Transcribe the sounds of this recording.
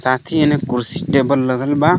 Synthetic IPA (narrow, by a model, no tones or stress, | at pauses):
sat̪ʰienekuɾsi̥ʈebəlːəɡəlba